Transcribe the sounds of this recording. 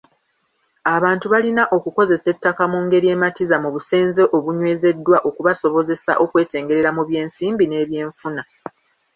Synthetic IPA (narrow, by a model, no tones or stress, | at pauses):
aβaːntuβalinaʔo̞kuko̞ze̞se̞tːakamuŋɡe̞ɾie̞ːmatizamuβuseːnze̞ʔoβuɲwe̞ːze̞dːwaʔo̞kuβaso̞βo̞ze̞sa̰ʔo̞kwe̞ːte̞ːŋɡe̞ɾe̞ɾamuβje̞ːnsiːmbine̞ːβje̞ːɱfuna